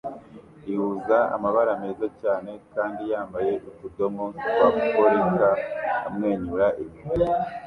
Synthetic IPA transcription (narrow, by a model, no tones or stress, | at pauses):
ihuzaa̰maβaɾame̞ːzacaːne̞kaːndijaːmbaje̞ʔukudo̞moskwakukoɾika̰ːmŋe̞ːɲuɾaʔiβie